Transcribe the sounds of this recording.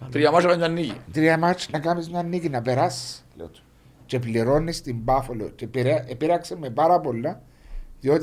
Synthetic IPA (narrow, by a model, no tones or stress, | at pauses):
t̪ɾiɐmɐt͡ʃɐlɐɲɐnːiʝḭt̪ɾiɐmɐt͡ʃnɐkɐmizɲɐnːicinɐpeɾɐslḛt̪u̥ | t͡ʃe̞p̬liɾo̞nːist̪imbɐfolo̰t͡ʃepiɾepiɾɐksemːepɐɾɐpo̞lːɐ | ðiot̪i